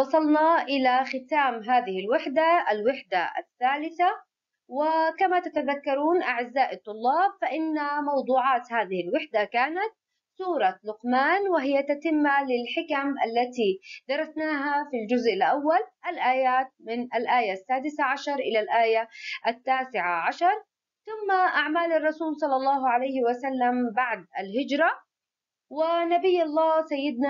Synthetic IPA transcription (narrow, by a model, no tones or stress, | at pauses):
wɑsˤɑlnɑʔɪlaxɪt̪aːmɦaːðɪhɪlwɪħd̪aalwɪħd̪aʔa̰θːaːlɪθa | wɪkamat̪at̪aðakːɑɾˤuːnʔaʕɪzːaːʔɨt̪ˤːʊlːɑːbfaʔɪnːamɑwd̪ˤuːʕɑːt̪haːðɪhɪlwɪħd̪akaːnat̪̚ | suːɾˤɑlʊqmaːnwɪɦɪjːat̪at̪ɪmːalɪlħɪkamʔa̰lːat̪id̪̥ɑɾˤɑsnaːɦafild͡ʒʊzʔɪlʔawːalʔalʔaːjaːt̪̚mɪnʔalʔaːjasːaːd̪ɪsaʕaʃɑɾˤʔɪlalʔaːjaʔat̪ːaːsɪʕaʕaʃɑɾˤ | θʊmːaʔaʕmaːlɑrˤːɑsuːlsˤɑlːɑlˤːɑːɦʕalajhɪwasalːambaʕd̪alhɪd͡ʒɾˤɑ | wɪnabɪjːɑlˤːɑːsajːɪd̪na